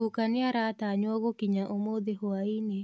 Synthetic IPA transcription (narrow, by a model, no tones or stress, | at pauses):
ukanɪaɾat̪aɲwɔɡokiɲaʔomod̪ehoaine